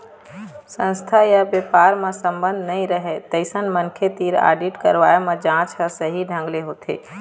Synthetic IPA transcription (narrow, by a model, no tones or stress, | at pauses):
sə̃nst̪ʰajabjepaɾmẽsəmbə̃nd̪ʱnəĩɾəɦet̪əɪsənmənkʰet̪iɾa̰ːɖiʈkəɾʋaemẽd͡ʒãt͡ʃɦəsəɦiɖʱə̃ŋɡleɦot̪ʰḛ